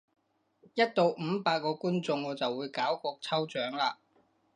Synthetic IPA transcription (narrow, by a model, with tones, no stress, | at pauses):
jɐ˥t̚t̪o˨˧wm̩˨˧paː˧t̚kːɔː˧kuː˥nt͡sʊ˧ŋɔː˨˧t͡sɐ˨wːuː˨˧jkaː˨˥wkɔː˧k̚t͡sʰɐ˥wt͡ʃœː˨˥ŋlaː˧